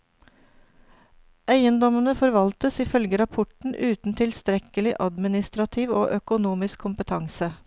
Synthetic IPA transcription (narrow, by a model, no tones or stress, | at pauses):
ʔæɪənd̪ɔmənəfɔɾʋɑlt̪əsɪːfœlɡəɾɑpʰɔʈɳ̩ʔʉːt̪n̩t̪ʰɪlst̪ɾɛkəlɪʔɑd̪mɪnɪst̪ɾɑt̪ʰiːʋo̰ːʔœkʊnuːmɪskʰːʊmpət̪ʰɑŋsə